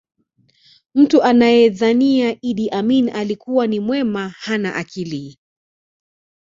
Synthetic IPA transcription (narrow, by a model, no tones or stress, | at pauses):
m̩tuʔanajɛðaniaʔiɗiʔaminʔalikuwanimwɛmahana̰ʔakili